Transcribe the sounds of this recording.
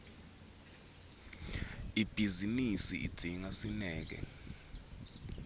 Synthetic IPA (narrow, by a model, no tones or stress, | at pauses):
ib̥ʱizinisḭḭd̥d̥ʱiŋasinɛːk̬ɛ̰